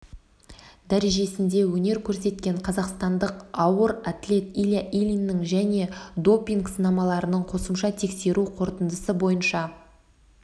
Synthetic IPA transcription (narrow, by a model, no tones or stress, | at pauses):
d̪æɾe̞ʒe̞sɪnd̪e̞wɵne̞ɾkʲʰɵɾse̞t̪kʲe̞ɴqʰɑzɑqst̪ɑnd̪əqɑwəɾat̪lʲe̞t̪ilʲjaʔilʲinːɪŋʒæne̞d̪o̞pʲiŋksənɑmɑlˠɑɾənəɴqʰo̞səmʃɑt̪ʰe̞kse̞ɾuqʰo̞ɾt̪ənd̪əsəbo̞jənʃɑ